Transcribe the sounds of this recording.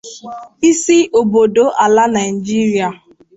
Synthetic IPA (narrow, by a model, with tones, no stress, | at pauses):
i˦si˦ʔo˨bo˨do˨ʔa˨la˦na˨ɪ˨d͡ʒi˦ɾi˦a˨